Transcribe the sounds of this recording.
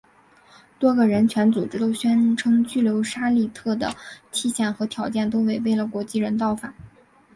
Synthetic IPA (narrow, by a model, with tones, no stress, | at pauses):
t̪wɔ˥ɡə˨ɻə˧˥nt͡ɕʰɥɛ˧˥nt͡su˨˩ʈ͡ʂɻ̩˥t̪o˥ʊɕɥɛ˥nʈ͡ʂʰɤ˥ŋt͡ɕy˥˩ljo˧˥ʊʂa˥li˥˧t̪ʰɤ˥˩d̪ə̰˩t͡ɕ̪ʰi˥˧ɕjɛ˥˩nxɤ˧˥t̪ʰjɑ˨˧˥ʊt͡ɕjɛ˥˩nt̪̬o˥ʊwe˧˩ɪpe˥˩ɪlə˩kwɔ˧˥t͡ɕi˥˩ɻə˧˥nt̪̬ɑ˥˩ʊfa˨˩˦